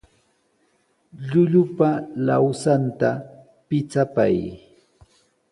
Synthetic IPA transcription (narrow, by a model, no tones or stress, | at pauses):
ʎʊʎʊpalawsant̪a | pɪt͡sapa̰j